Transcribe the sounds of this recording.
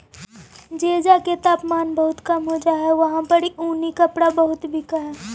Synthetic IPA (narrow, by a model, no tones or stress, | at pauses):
d͡ʒeːd͡ʒaket̪aːpmaːnbɐɦʊt̪kɐmɦod͡ʒaːɦɛʋɐɦãpɐɽiʔuːnikɐpɽabɐɦʊt̪bʱikaɦɛː